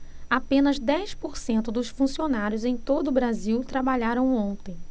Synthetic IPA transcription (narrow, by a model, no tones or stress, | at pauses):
apẽnɐzd̪ɛjspoɾsẽnt̪ʊd̪ʊsfũsionaɾjʊzẽj̃t̪od̪ʊːbɾaziwt̪ɾabaʎaɾɐ̃w̃õt̪ẽj̃